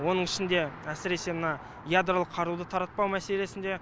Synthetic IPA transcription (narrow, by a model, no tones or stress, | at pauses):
wo̞nəɴɪʃɪnd̪e̞æsɪɾe̞se̞mənɑ | jad̪ɾolˠəqʰːɑɾud̪ət̪ʰɑɾɑt̪̚pɑwmæse̞le̞sɪnd̪e̞